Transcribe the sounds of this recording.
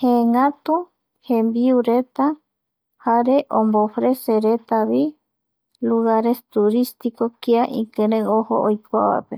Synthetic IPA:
hẽŋãt̪u | hẽmbiuɾet̪a | haɾeʔõmbofɾeseɾet̪aβi | luɣaɾest̪uɾist̪ikokiaʔḭ̃kɨ̃ɾẽohoʔojkʷa̰βa̰pe

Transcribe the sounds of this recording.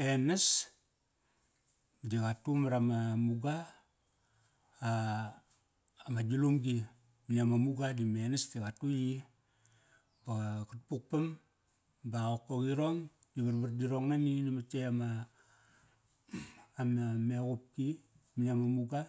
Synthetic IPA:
enas | dikatumaɾamamuɡa | mad͡ʒulumɡi | miɲamamuɡadimenastikatuji | bakutpuk̚pam | baokːoɡiɾoŋ | diβarbardiɾoŋnaninamat͡ʃeama | mamekup̚ki | miɲamamuɡa

